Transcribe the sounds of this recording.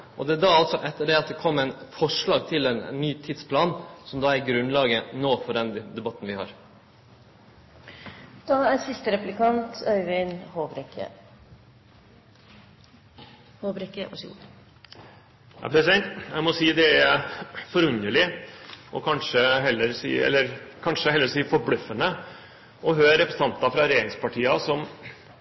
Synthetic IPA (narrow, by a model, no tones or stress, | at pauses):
ʔɔd̪ɛd̪ɑɑlt̪sɔʔɛt̪ːəɖɛɑt̪̚d̪ɛkʰɔmːæɪnfɔʂɭɑːɡ̚t̪ʰɪlɛn̰nːyːt̪ʰɪd̪spʰlɑːnsɔmd̪ɑːæɾɡɾʉnlɑːɡənoːfɔɾɛnd̪d̪ɛbɑt̪ːn̩ʋɪhɑ̰ːɾ | d̪̥ɑːæɾsɪst̪əɾɛplɪkɑnt̪ʰœʏʋɪnhobɾɛkə̰ | hoːbɾɛkəʋɑ̰ | jɑ̰pʰɾɛsɪd̪ɛnt̪jæɪmɔsiːd̪ɛæɾfɔɾʉnəɭɪʔɔkʰɑnʂəɦɛlːəɾsḭːɛ̰lːəɾkʰɑnʂəhɛlːəɾsiːfɔɾbɽʉfːənə | ʔɔɦøːɾɾɛpɾɛs̩ɑnt̪ɑfɾɑɾɛeːɾɪŋspɑʈʰiːɑsɔm